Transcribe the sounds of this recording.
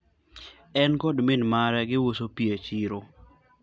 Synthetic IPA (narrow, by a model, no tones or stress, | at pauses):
ɛnkɔdmɪnmaɾɛɡɪwosopiet͡ʃiɾo